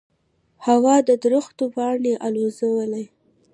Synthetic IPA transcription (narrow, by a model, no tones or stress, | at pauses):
hawɑd̪əd̪ɾʊxt̪opɑɳeʔalozawəlaj